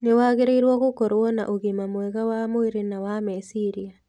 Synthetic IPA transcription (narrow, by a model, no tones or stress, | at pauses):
newaːɣeɾeiɾwɔɣokoɾwɔna̰ʔoɣimamwɛɣawamoiɾenawamesiɾia